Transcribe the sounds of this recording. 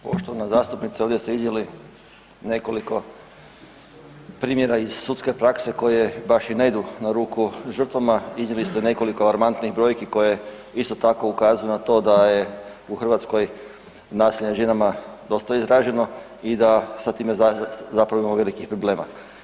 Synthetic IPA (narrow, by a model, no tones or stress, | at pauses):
po̞̰ʃt̪oʋanazaːst̪upnit̪sao̞ʋdjest̪eiznʲjali | ne̞ko̞liko̞ | pɾiːmjeɾaiz̥sut̪ske̞pɾakse̞ko̞jebaʃineid̪unaɾuːkuʒər̩t̪ʋamaiznɲjelist̪ene̞ko̞likoalaɾmant̪niɣbɾo̞ːjkiko̞je̞ | ist̪o̞t̪ako̞ukaːzujunat̪o̞ːd̪aje | uxr̩ʋat̪sko̞j | naːsiʎeʒe̞namad̪o̞st̪aizɾaʒe̞no̞ | id̪asat̪iːmezapɾaʋoimamoʋe̞likixpɾoble̞ːma̰